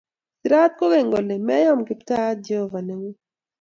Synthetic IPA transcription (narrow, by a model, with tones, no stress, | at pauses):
tiɾa˦t̪̚ko˦ɣe˨ŋɡo˨le˨mɛ˦jɔ˦mɡɪ˨pta˦d͡ʒe˦hɔ˦˨va˨ne˦ŋo˦